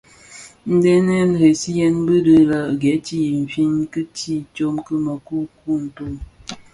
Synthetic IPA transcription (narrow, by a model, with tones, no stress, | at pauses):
n̩˦de˦nɛ˦n˨ɾe˨si˦jɛ˦nbə˦də˦la˨ɡɛ˨˦ti˦˨m̩˨fi˦nkə˦ti˦˨t͡ʃo˦mkə˦mə˨ku˦ku˦n̩˨to˦m